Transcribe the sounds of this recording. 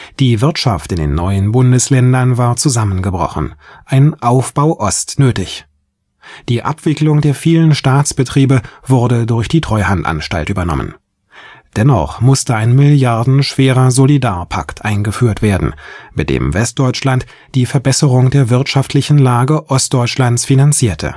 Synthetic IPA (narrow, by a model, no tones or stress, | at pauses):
d̥iːvɪɐtʃa̰ftɪndḛːnːɔʏənbʊndəslɛndɐnvaːɐt͡suzamənɡəbʁɔ̰χn̩ʔaɪnʔaʊfb̥aʊʔɔstnøːtɪç | d̥iːʔa̰pv̥ɪklʊŋdeːɐfiːlənʃtaːt͡sb̥ətʁ̥iːbəvʊʁɐdədʊɐçd̥iːtʁ̥ɔʏha̰ntʔa̰nʃta̰ltʔyːbɐnɔ̰mə̰n | d̥ɛnɔ̰χmʊstəaɪnmɪljaɐdn̩ʃv̥eːʁɐzolidaːɐpʰa̰ktʔaɪnɡəfyːɐtv̥eːɐdn̩mɪt̚d̥ḛːmvɛst̚d̥ɔʏt͡ʃlant | d̥iːfɛɐbɛsəʁʊŋdeːɐvɪɐtʃaftʰlɪçn̩laːɡəʔɔst̚d̥ɔʏt͡ʃlant͡sfinant͡siːɐtʰə̰